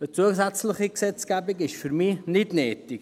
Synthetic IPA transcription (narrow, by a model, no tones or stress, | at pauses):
ət͡suəs̬at͡sləχiksɛt͡skaːbikɪʃfyɾmiːnɪt̪neːt̪ik